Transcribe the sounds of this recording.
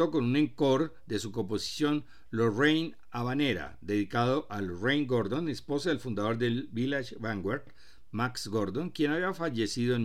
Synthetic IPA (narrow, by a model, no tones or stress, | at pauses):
o̞ko̞nunẽ̞ŋko̞ɾ | d̪e̞suko̞mp̬o̞si̥sjo̞n | lorejn | aβaneɾa̰d̪e̞ðikaðo̞ʔalrejŋɡoɾd̪o̞nespo̞saðelfund̪aðo̞ɾd̪e̞lbilaʃbaŋɡweɾt̪ | maksɡoɾd̪o̞ŋkje̞naβiafaʝe̞siðoen